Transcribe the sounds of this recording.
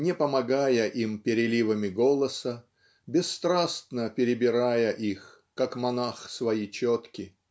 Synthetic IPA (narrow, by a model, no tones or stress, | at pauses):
nʲɪpəmɐɡajəʔimpʲɪɾʲɪlʲivəmʲɪɡolˠəsə | bʲɪsːt̪ɾast̪nəpʲɪɾʲɪbʲɪɾajəʔix | kakmɐnaxsvɐjit͡ɕot̪kʲɪ